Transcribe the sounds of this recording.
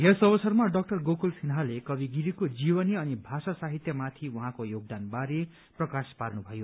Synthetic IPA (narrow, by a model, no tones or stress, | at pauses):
jesʌbʌsʌrmaɖʌk̚ʈʌrɡokulsʰinɦalekʌbiɡiɾikod͡zibʌniʌnibʱasasaɦit̪jʌmat̪ʰiwuɦãkojoɡ̚d̪anbaɾe | prʌkasparnubʱʌjo